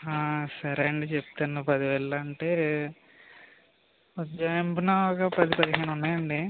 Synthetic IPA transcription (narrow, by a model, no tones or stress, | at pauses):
aːsɐɾeɐɳɖit͡ʃept̪ɐnɐpɐd̪iʋɛːɭːɐːɳʈeː | d͡ʒɐjmbinakɐpɐd̪ipɐd̪iɦeːnunːaːjɐɳɖi